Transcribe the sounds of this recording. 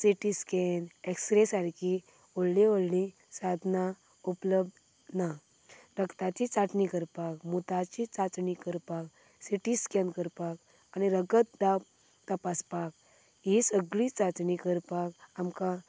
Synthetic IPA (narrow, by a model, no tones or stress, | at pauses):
siʈiskɛnekspɾesaɾki | oɽlioɽlĩ | sad̪ʱna | upləb̚d̪ | na | ɾəkt̪at͡ɕit͡saʈnikəɾpakmut̪at͡ɕit͡sat͡snikəɾpak | siʈiskɛ̃nkəɾpak | aniɾəɡət̪̚d̪ap | t̪əpaspak̚ | ɦisəɡlit͡sat͡snikəɾpakamka